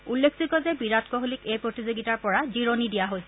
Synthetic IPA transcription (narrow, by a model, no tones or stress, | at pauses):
ulːekʰsikɔzɛbiɹatkɔɦolikejpɹotizoɡitaɹpɔɹaziɹonidijaɦojsɛ